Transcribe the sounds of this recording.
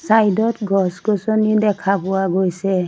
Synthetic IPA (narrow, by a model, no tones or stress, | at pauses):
sajdɔtɡɔskɔsɔnidɛkʰapʊwaɡojsɛ